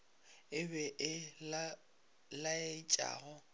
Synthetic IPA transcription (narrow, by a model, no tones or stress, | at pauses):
ɪbɛʔɪ | laet͡ʃʼa̰ːɣɔ